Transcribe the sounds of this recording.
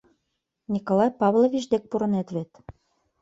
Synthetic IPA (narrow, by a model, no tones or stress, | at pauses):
nʲikolˠɑjpɑβlˠovʲit͡ɕd̪ek̚puɾɤ̆net̪βet̪